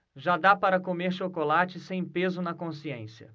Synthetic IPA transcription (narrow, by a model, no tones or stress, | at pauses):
ʒad̪apaɾɐkomeɾʃokolat͡ʃɪsẽj̃pezʊnɐkõsiẽsiɐ̰